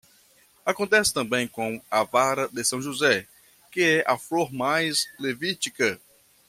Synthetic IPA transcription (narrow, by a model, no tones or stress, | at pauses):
akõnt̪ɛsɪ̥t̪ɐ̃mbẽj̃kõw̃ɐvaɾɐd̪ɪsɐ̃w̃ʒuzɛ | kɪɛʔafloɾmajzlevit͡ʃikɐ